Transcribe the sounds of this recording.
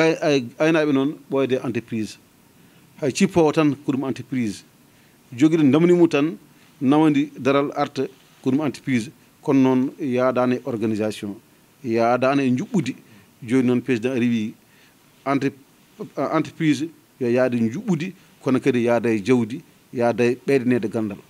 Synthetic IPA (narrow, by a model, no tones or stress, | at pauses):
ajnaɓɛnɔnɓɔɛdɛʔantɛpɾiz | hajt͡ʃipːawɔtankɔdumantipɾiz | d͡ʒoɡidɛndamnimutanː | amandidaɾalaɾtɛ | kɔdumanti̥pɾiz | kɔnnɔnjadanɛʔɔɾɡanizasiɔ̃n | jadaːnaɲd͡ʒuɓːudi | d͡ʒodinɔnpɾesidãnɾiwi | ant | antəpɾiz | jɔjadaɲd͡ʒuɓːudi | kɔnakadɛjadajd͡ʒawdi | jadajɓɛdɛnɛdɛɡandal